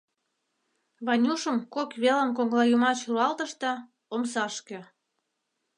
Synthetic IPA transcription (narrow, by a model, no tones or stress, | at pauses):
βɑnʲuʃəmkokβelə̆mkoŋlɑjumɑt͡ɕruɑlt̪əʃt̪ɤ̆ | omsɑʃkĕ